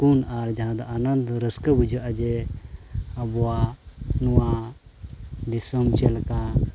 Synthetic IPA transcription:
kunaɾd͡ʒaɦãd̪aʔanənd̪ɾəskəbud͡ʒʱəʔad͡ʒɛ | əbɔwanuwa | d̪isəmt͡ʃɛlka

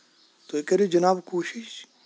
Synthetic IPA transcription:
t̪oekɐɾid͡ʒɐnaːbkoːʃiʃ

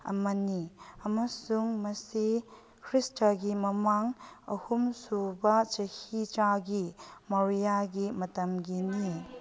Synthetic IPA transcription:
ɐ̰mɐniɐmɐsuŋmɐsi | kʰɾistɐɡimɐmaŋɐhumsubɐt͡ʃɐhit͡ʃaɡimɐɾijaɡimɐtɐmɡini

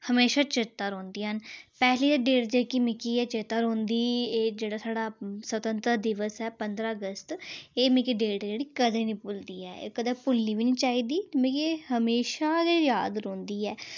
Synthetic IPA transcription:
həmeːʃaːt͡ʃɪt̪ːəɾoːnd̪iːɦənpɛːɦliːd̪eːɖeːʈd͡ʒeːkimɪkiːɛːt͡ʃet̪əɾõːnd̪iːeːd͡ʒeːɽaːsaːɖaːsət̪ə̃nt̪ɾəd̪ɪʋəsɛːpənd̪ɾaːəɡəst̪eːmɪkiːɖeːʈd͡ʒeːɽiːkəd̪eːnĩːpʊld̪iːɛ̰ːkəd̪ɛːpʊlːiːʋiːniːt͡ʃaːiːd̪iːmekeːhəmeːʃaːɡejaːd̪ɾõːnd̪iːɛː

